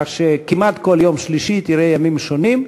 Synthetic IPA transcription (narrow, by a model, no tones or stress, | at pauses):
χʃekimat̪ko̞ljomʃliʃit̪iʁejamimʃo̞nim